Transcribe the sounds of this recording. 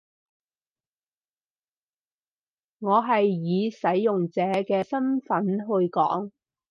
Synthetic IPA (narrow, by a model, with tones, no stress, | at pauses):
ŋɔː˨˧ɦɐ˨jːiː˨˧sɐ˨˥jːʊ˨ŋt͡sɛː˨˧kɛː˧sɐ˥nfɐ˨˥nɦɵ˧ɥkɔ̰ː˨˥ŋ